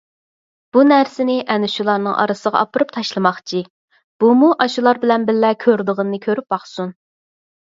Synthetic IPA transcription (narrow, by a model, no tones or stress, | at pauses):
b̥unæɾsɪnɪʔɛnyʃulˠɑɾnɨŋʔɑ̰ɾɨsəʁɑ̰ʔɑpɨɾɨp̚t̪ʰɑʃlˠɨmɑχt͡ʃʰi | b̥umuʔɑʃulˠɑɾbɪlɛnbɪlːɛkʲʰøɾd̪əʁənɨnɨkʲʰøɾyp̚bɑχsun